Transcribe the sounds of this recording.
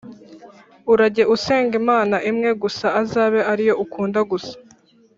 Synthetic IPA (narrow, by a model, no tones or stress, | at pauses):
uɾaɟe̞ʔuse̞ːŋɡimaːnaʔimŋe̞ɡusaːzaːβe̞ʔaɾijo̞ʔukuːndaɡusḁ